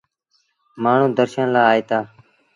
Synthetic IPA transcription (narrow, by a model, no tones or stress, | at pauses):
maːɳ̤ũːd̪əɾʃanlaːaːeːt̪aː